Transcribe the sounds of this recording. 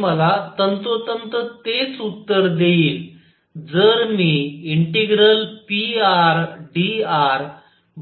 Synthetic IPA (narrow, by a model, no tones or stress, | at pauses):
məlat̪ənt̪ot̪ənt̪ət̪et͡sut̪ːəɾd̪eiːl | d͡zəɾmiːiɳʈeɡɾəlpiaɾɖiaɾ | b